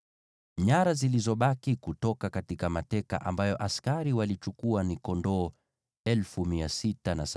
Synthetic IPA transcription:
ɲaɾazilizɔɓakikutɔkakatikamatɛka̰ʔa̰mbajɔʔaskaɾiwalit͡ʃukuanikɔndɔː | ɛlfumiasitanas

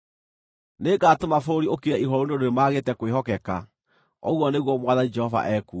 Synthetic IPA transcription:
neɡaːtomafooɾiokiɾɛiɦɔɾonodoɾemaːɣetɛkoweɦɔkɛka | ɔ̰ɣwɔneɣwɔmwaðanid͡ʒɛhɔva̰ʔɛku

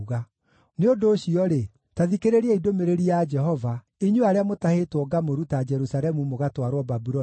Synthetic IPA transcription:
ɣa | neondoːɕiɔɾe | taðikeɾeɾiɛidomeɾeɾiad͡ʒɛɦɔva | iɲuaɾeamotahetwɔɡamoɾutad͡ʒɛɾusaɾɛmumoɣatwaɾwɔbabuɾɔ

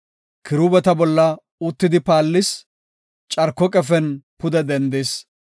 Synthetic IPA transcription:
kʰɪɾuːbɛt̪ɐbɔlːɐ | ʊt̪ːɪd̪ɪpaːlːɪs | t͡ʃʼɐɾkːɔkʼɛfɛnpʊd̪ɛd̪ɛnd̪eːs

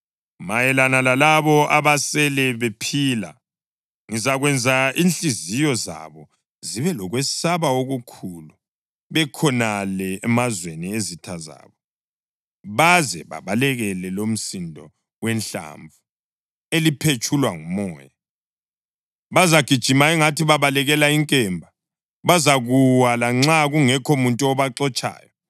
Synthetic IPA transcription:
majɛlanalalaβɔaβasɛlɛβepʰiːla̰ | ŋizaɣwɛnd͡zʱainɬʼizijɔza̰βɔ | ziβɛlɔɣwɛsaβaoɣukʰulu | βɛkʰɔnalɛɛmazweniezitʰaza̰ːβɔ | βazɛβa̰βalɛɣɛlɛlom̩sindʱɔ | wɛnɬa̰ɱvu | elipʰet͡ʃʼʰulwaŋumɔːja | βazaɡ̥ʱid̥ʒ̥ʱimaɛŋatʰiβaβalɛɣɛlaiŋkʼɛmbʱa | βazaɣuwalaŋ͡ǁaɣuŋɛkʰomuntʼuɔβaǁɔt͡ʃʼa̰ːjɔ

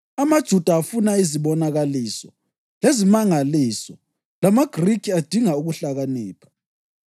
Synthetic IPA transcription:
amad̥ʒ̥ʱud̥ʱaːfunaiziβɔnaɣaliːsɔ | lezimaŋaliːsɔ | lamaɡ̥ʱrikʰiad̥ʱiŋauɣuɬaɣaniːpʰḁ

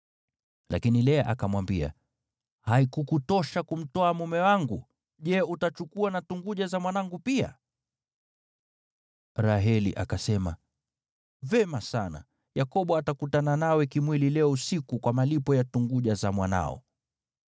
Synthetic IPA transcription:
lʔa̰kinilɛʔakamwambia̰ | haikukutɔʃakum̩tɔamumɛwaŋɡu | ʄɛutat͡ʃukuanatuŋɡuʄazamwanaŋɡupia̰ | ɾaɦɛlḭʔakasɛma | vɛmasana̰ | jakɔɓɔatakutananawɛkimwililɛɔusikukwamalipɔjatuŋɡuʄazamwana̰ɔ̰

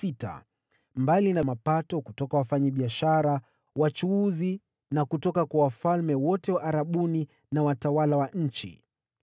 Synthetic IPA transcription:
ita̰ | mbalinamapatɔkutɔkawafaɲaɓiaʃaɾa | wat͡ʃuuzi | nakutɔkakwawafalmɛwɔtɛwaʔaɾaɓuni | nawatawalawaɲ̩t͡ʃḭ

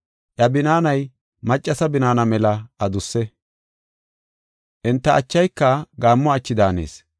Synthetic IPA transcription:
ʔjɐbɪnaːnɐj | mɐt͡ʃʼːɐsɐbɪnaːnɐmɛlɐɐd̪ʊsːɛ | ʔɪnt̪ːɐʔɐt͡ʃːɐjkːɐɡaːmːɔɐt͡ʃːɪd̪aːnḛːs

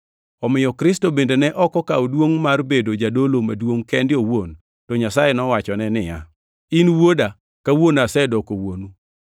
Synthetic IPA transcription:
ɔmɪjɔkɾɪstobendenɛʔɔkɔkaodwoŋmarbedod͡ʒadolomadwoŋkɛndɪowon | tɔɲasajenɔwat͡ʃɔnɛnɪja̰ | inwoda | kawonasɛdɔkowonu

